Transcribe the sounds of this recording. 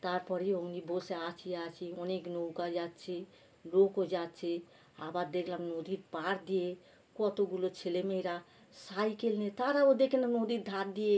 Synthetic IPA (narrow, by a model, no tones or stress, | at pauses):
t̪aɾpɔɾioɡnibʱoseat͡ʃʰiat͡ʃʰiɔneknowkad͡ʒat̪t͡ʃʰe | lokod͡ʒat̪t͡ʃʰi | abad̪ekʰlamnod̪iɾpaɾd̪ije | kɔt̪oɡulot͡ʃʰelemeɾa | sajkelnet̪aɾaod̪ekʰenanod̪iɾd̪ʱaɾd̪ije